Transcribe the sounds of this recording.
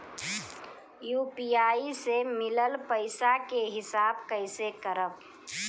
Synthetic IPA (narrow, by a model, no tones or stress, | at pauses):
juːpiaːisemɪləlpəɪsakeɦɪsaːbkəɪsekəɾəb